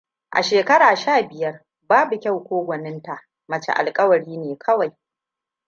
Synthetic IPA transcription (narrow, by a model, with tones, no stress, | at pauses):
ʔa̰˨ʃeː˨kɐ˦ɽaː˨ʃaː˦˨bɪ˨jɐ˦r | baː˦bu˨kʲa˦wkʷoː˦ɡʷɐ˨nɪ˦nta˨ʔ | mɐ˨t͡ʃḛ˨ʔa̰˨lkʼɐ˦wɐ˨ɽiː˦neː˨kʰɐ˦wa˨j